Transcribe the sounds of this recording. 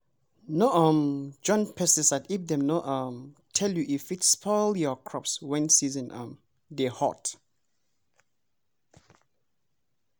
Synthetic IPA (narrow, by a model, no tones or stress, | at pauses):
noʔãmd͡ʒɔ̃npʰɛsɛsatip̚d̪ɛ̃mnoʔʌ̃mtʰɛljuʔifitspʰɔljɔkʰɹɔpswɛ̃nsizə̃nʔʌ̃m | dehɔ̰t